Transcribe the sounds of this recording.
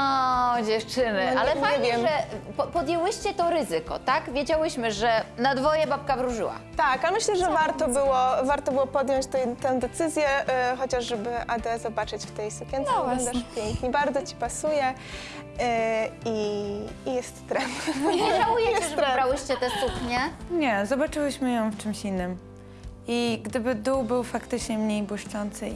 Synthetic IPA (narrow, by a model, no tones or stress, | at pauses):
ɔd͡ʑɛft͡ʂɘnɪalɛpaɛvʲjɛmɛppɔd̪jɛwɘɕt͡ɕɛt̪ɔɾɘzɘkɔ̰t̪akvʲjed͡ʑawɘɕmɘʐɛnad̪vɔjɛbap̚kavɾuʐɘ̰wa̰t̪akamɘɕlɛʐɛvaɾt̪ɔbɘwɔvaɾt̪ɔbɘwɔpɔd̪jɔ̃ɲt͡ɕt̪ɛt̪ɛ̃w̃d̪ɛt̪sɘzʲjɛxɔt͡ɕaʐʐɛbɘʔad̪ɛzɔbat͡ʂɘt͡ɕft̪ɛjsukʲjɛnt̪ɛɡlɔ̃nd̪aʂpʲjɛŋkɲibaɾd̪zɔt͡ɕi̥pasujɛ | iijɛst̪t̪ɾɛmaujɛjɛst̪ɾɛɾawɘɕt͡ɕɛt̪ɛsupɲɛɲɛzɔbat͡ʂɘwɘɕmɘjɔ̃w̃ft͡ʂɘmɕinːɘm | iɡd̪ɘbɘd̪uwbɘwfakt̪ɘt͡ʂɲɛmɲejbwɘʂt͡ʂɔnt̪sɘ